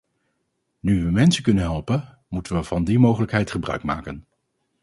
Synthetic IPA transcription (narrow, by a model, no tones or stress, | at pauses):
nyʋəmɛnsəkɵnənɦɛlˠpən | mutənʋəv̥ɑndimowχələkɦɛjtχəbrœ̰ɥkma̰ːkən